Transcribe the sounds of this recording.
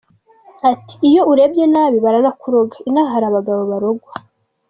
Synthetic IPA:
ati̥ːjo̞uɾe̞bjenaːβiβaɾanakuɾo̞ɡainaɦaɾaβaɡaβo̞βaɾo̞ɡwa

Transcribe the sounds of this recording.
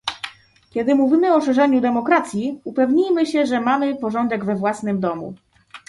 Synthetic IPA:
kʲɛd̪ɘmuvʲimɘɔʂɛʐɛɲud̪ɛmɔkɾat̪sʲjiupɛvɲijmɘɕɛʐɛmamɘpɔʐɔnd̪ɛɡvɛvwasnɘmd̪ɔmṵ

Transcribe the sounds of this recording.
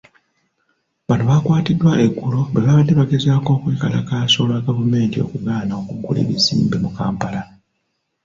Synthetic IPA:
βanuβakwaːtidwaʔeɡːulo̞βeβaβadːe̞βaɡe̞zaːko̞ːkweːkalakaːso̞ːlwaɡavume̞ːntio̞̰kuɡaːnao̞kuɡulḭβizḭːmbimuka̰ːmpala

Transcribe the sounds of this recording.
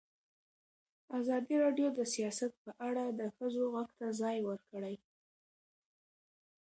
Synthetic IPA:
azɑd̪iɾɑɖjod̪əsijɑsat̪̚pəʔaɽad̪əxəzoɣaɡt̪azɑjwəɾkəɽaj

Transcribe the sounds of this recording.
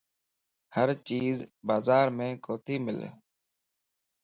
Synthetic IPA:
həɾt͡ʃiːzbaːzaːɾmẽːkoːt̪ʰiːmɪ̰l

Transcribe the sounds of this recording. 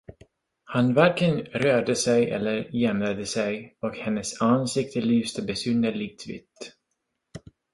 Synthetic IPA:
hanvæɾkənɾøːɖəsɛjʔɛ̰lːəɾjɛmlad̪əsɛjɔkhɛnːəsansɪk̚t̪əlyːst̪əbɛsʏnd̪əlɪt̪ʰvɪ̰t̪ː

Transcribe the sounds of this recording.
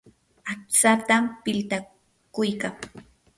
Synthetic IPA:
at͡sat̪ampɪlt̪a | kʊjkaŋ

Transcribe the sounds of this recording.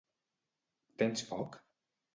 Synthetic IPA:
t̪ɛnspɔk

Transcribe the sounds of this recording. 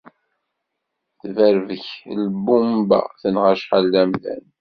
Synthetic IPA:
θvæɾvəçlbumbæ̰θənʁaʃħalːæmðæ̰n

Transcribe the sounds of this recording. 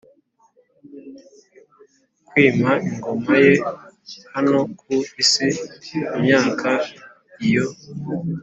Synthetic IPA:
kwiːmaiŋɡo̞majehano̞k̚ʰuisiimɲaːkʰa | ijo

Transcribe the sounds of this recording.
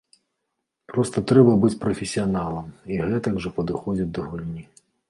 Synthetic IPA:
pɾɔst̪ɐt̪ɾɛbɐbɨt͡sʲpɾɔfʲesʲiɐnalˠɐmiɣɛt̪ɐɡʐɐpɐd̪ɨxɔd͡zʲɐt͡sʲd̪ɐɣulʲnʲi

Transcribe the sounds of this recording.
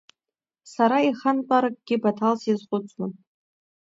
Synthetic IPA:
saɾaiχanqʼaɾak̚ʼɡ̥ʲɪbatʰalsjizqʼʊt͡sʼwan

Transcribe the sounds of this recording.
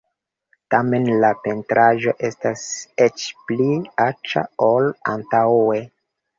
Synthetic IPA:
tame̞nlape̞ntɾʔaʒo̞ʔe̞staset͡ʃpliat͡ʃa̰ola̰ntawe̞

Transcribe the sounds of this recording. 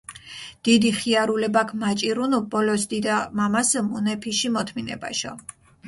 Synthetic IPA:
d̪̥id̪iχiaɾulɛbakʰmat͡ʃʼiɾunubɔlɔsd̪id̪amamasmunɛpʰiʃimɔt̪ʰminɛ̰ba̰ʃɔ̰

